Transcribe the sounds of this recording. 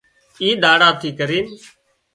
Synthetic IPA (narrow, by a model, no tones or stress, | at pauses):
iːɗ̪aːɽaːt̪ʰiːkəɾiːn